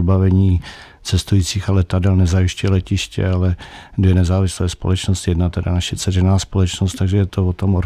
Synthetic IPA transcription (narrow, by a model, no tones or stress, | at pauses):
bavɛɲiː | t͡sɛst̪ujiːt͡siːxalɛt̪adɛlnɛzajɪʃcʊɛlɛcɪʃcɛ̰alɛdvjɛnɛzaːvɪslɛːspo̞lɛt͡ʃnost̪jɛdnat̪ɛdanaʃɛt͡sɛrɛnaːspolɛt͡ʃnost̪aɡʒɛjɛt̪ovot̪o̞moɾ